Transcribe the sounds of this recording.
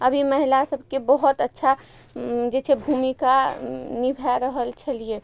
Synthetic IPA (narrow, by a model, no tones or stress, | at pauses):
əbʱiməɦilasəbʱkebəɦɔt̪ətːʃʰa | d͡ʒet͡ʃʰɛbʱumikanibʱɛɾəɦəlt͡ʃʰəlie